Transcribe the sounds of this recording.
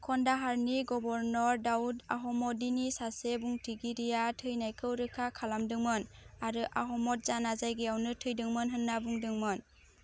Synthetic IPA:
kʰɔndaɦaɾniɡɔbɔɾnɔɾdawuda̰ɦɔmɔdinisasebuŋtʰiɡiɾijatʰɯjnajkʰɯwɾɯkʰakʰalamdɯŋmɯnaɾɯʔaɦɔmɔt̚zanazajɡejawnɯtʰɯjdɯŋmɯnɦɯnːabuŋdɯŋmɯn

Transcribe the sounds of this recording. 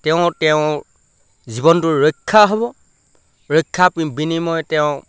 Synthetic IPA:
tɛʊ̃tɛʊ̃ | zibɔntʊɹɔkʰːaɦɔbɔ | ɹɔkʰːapnibinimɔjtɛʊ̃

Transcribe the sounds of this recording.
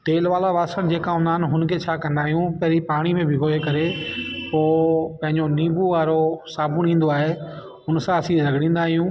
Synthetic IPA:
ʈ̪eːlʋaːlaʋaːsənɪ̆d͡ʑeːkãɦʊ̃nd̪aːɦɪnɪ̆ɦʊn̆kʰet͡ɕʰaːkɐ̃nd̪aːɦijũpɐɦɾipaːɽ̃imẽbʱɪɦoːekɐɾepoːpɐ̃ɦɪ̃ɲd͡ʑoniːbuʋaːɾosaːbʊnĩːn̆d̪oaːɦe | ʊnsãɐsĩɾɐɡʱɽ̃ĩːn̆d̪aːɦijũː

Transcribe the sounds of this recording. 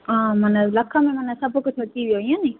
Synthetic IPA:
aːmɐnəlɐkʰə̃mẽmɐnəsɐbʱkʊt͡ʃʰɐt̪iʋijoɦiãːnĩ

